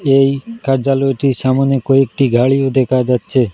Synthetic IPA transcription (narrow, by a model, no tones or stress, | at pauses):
ejkaɾd͡ʑalɔeʈiʃamonekoek̚ʈiɡʱaɭiod̪ɛkʰad͡ʑatːɕʰe